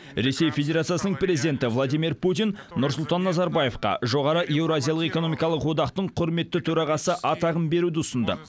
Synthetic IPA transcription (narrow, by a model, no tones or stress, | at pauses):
ɾe̞se̞jfʲe̞d̪ʲeɾat̪sijasənəɴpɾezid̪ent̪ɪvlˠad̪ijmirput̪ijnnʊɾsʊlˠt̪ɑnːɑzɑɾbaje̞fqɑ̰ʒo̞ʁɑɾəʔje̞wɾoazʲijɑlˠəqe̞ko̞no̞mijkɑlˠəqwo̞d̪ɑqt̪əɴqʰʊɾme̞t̪ːɪt̪ʰɵɾɑʁɑsəʔɑt̪ɑʁəmbe̞ɾud̪ɪʊsənd̪ə̰